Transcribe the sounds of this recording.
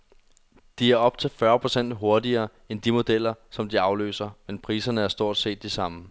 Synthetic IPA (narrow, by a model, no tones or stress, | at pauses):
d̥iæɐɒ̽b̥̚t͡sʰe̝lfɶːɐpʰʁo̝sen̰d̥ɦo̝ɐdiɐː | end̥imo̝d̥el̰ɐsɒ̽md̥iɑ̈ʊlø̰ːsɐmenpʰʁiːsɐnəæɐsd̥o̝ɐ̰d̥se̝̰ːd̥ːisɑ̈mə